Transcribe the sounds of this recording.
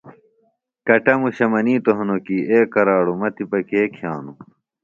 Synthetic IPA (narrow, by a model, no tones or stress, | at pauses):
kɐʈɐmuɕɐmɐniːt̪oɦɐnokiʔeːkɐɾaːɽumɐt̪ipɐkeːkʰjaːnu